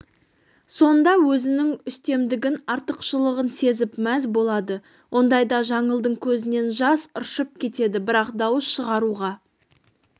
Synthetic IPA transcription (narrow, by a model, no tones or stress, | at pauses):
so̞nd̪ɑwɵzɪnɪŋʏst̪e̞md̪ɪɡʲɪnɑɾt̪əqʃəlˠəʁənse̞zɪpmæzbo̞lˠɑd̪ə | wʔo̞nd̪ɑjd̪ɑʒɑɴəlˠd̪əɴkʲʰɵzɪne̞nʒɑsəɾʃəp̚kʲʰe̞t̪e̞d̪ɪbɪɾɑqd̪ɑwəsʃəʁɑɾuʁɑ